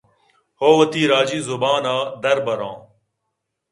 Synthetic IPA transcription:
hoːʋɐt̪iːɾaːd͡ʒiːzʊbaːnaːd̪ɐɾbɐɾã̰ː

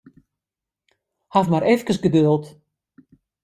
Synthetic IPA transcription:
havmaɾefkəsɡəd̪ølˠt̪

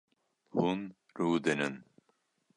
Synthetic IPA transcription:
hun | ɾuːd̪ɨnɨn

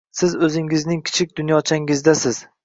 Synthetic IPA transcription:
sɪzɵzɪŋɪznɪŋkʲʰɪ̥t͡ʃʰɪk̚ʲd̪ʊnjɒt͡ʃʰaŋɪzd̪asɪz̥

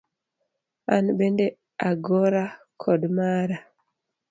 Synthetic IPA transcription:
anbende | aɡoɾa | kʰɔdmaɾa

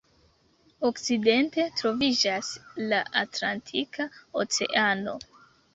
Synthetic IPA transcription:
okt͡side̞nte̞tɾo̞vid͡ʒaslaʔatlantʰikao̰t͡se̞̰ʔano̞

